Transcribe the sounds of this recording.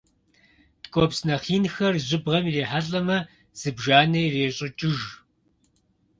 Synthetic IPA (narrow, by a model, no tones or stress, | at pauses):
tkʷʼopsnɐχiːnxɐrʑɪbʁɐmireːħaɬʼɐmɐ | z̥ɨbʒaːnɐjreːɕʼɪt͡ʃʼɪʒ